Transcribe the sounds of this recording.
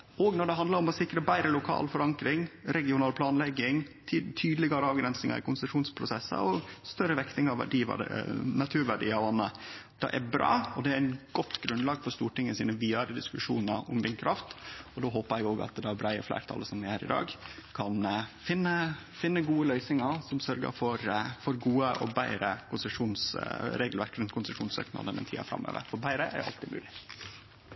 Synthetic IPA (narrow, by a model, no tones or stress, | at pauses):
ɔɡnɔɖɛɦɑnd̪lɑɾɔmɔsɪkːɾəbæɪɾəlʊkʰɑ̰ːlfɔɾɑŋkɾɪŋɾɛɡɪʊnɑːlpʰlɑːnlɛɡːɪŋʰː | t̪ʰyːd̪əlɪɡɑɾəɑːʋɡɾɛnsnɪŋɑ̰ɾɪ̰kʊnsəʂuːnspʰɾʊsɛsə̰ɔst̪œɾəʋɛkt̪ɪŋɑʋʋæ̰ɖiːʋɑ̰nɑt̪ʰʉːɾʋæɖḭːɑʋɑnːəd̪̥ɑ̰ʔɛ̰bɾɑ̰ːɔd̪ɛæɾɪnɡ̥ɔt̪ːɡ̥ɾʉnd̪lɑːɡfɔɾst̪uːʈɪŋːəsiːnəʋiːɑɾəd̪ɪskʉʂṵːnəʔʊmd̪ɪŋkʰɾʔɑft̪ɔd̪oːɦoːpəɾɛɡoːɡɑ̰t̪d̪ɑæbɾæɪəflæ̰ɪɾt̪ʰɑ̰ləsɔmd̪ɛhæːɾɪd̪ɑ̰ːɡkʰɑnfɪnːəfɪnːəɡuːəlœʏsnɪŋəɾsɔmsœɾɡə̰ɾfɔɾfɔɾɡuːəʔɔ̰bæɪɾə̰kʰʊnsəʂuːnsɾeːɡlʋæɾkɾɛnkʰʊnsəʂuːnsø̰ːknɑ̰d̪ənɛ̰nt̪ʰiːɑ̰fɾɑ̰mːø̰ːʋə̰ɾfɔɾbæɪɾəʔæ̰ɾj̰ɑ̰lt̪ɪmʉ̰ːlɪ